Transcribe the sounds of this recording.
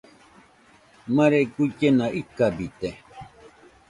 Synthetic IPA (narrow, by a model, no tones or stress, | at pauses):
maɾekucenaʔikːabit̪e